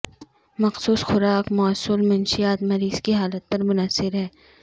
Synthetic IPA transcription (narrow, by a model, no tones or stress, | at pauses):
mɐqsuːsxʊɾaːkmɔːsʊlmɐnʃijaːt̪mɐɾiːz̥kiɦaːlət̪̚pɐɾmʊnɐsːɪɾɦɛː